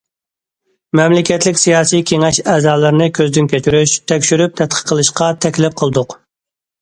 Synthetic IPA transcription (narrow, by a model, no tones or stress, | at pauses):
mɛmlɪkʲʰɛt̪lɪkʲsijɑːsijkʲʰeŋɛʃɛːzɑːlˠɨɾnɨkʲʰøzd̪ynkʲʰøt͡ʃʰyɾyʃt̪ʰɛkʲʃyɾyp̚t̪ʰɛt̪̚qʰə̥qʰːəlˠɨʃqɑt̪ʰɛkʲlɪp̚qʰəlˠd̪ʊq